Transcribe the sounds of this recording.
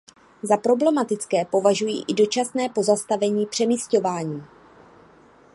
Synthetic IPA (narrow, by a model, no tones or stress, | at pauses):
zapɾo̞blɛmat̪ɪt͡skɛːpo̞vaʒujḭːʔɪdo̞t͡ʃasnɛːpo̞zast̪avɛɲiːpr̥ɛmisco̞vaːɲiː